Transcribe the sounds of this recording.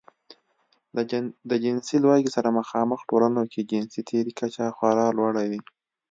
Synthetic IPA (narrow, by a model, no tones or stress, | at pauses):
d̪əd͡ʒɪnsilwɑɡisaɾamaxɑməxʈolanokʰed͡ʒɪnsit̪ʰeɾikat͡ʃaxwaɾɑlwaɽawi